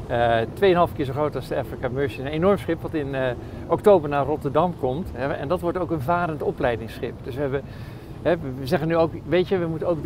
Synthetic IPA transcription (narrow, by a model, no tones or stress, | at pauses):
ətʋejənɦɑlˠfkɪːɹs̬oχrowtɑsdəafɹikamøɹsəənenɔɹmsχɪpʋɑtɪn | ʔɔktowbəɹnaːrɔtəɹdɑmkɔmtɛɛ̰ndɑtʋɔɹtowkənvaːɾəntɔplɛjdɪŋsχɪpdɵsʋəɦɛbə | ɦɛʋəzɛχənyowkʋejtəʋəmutənowk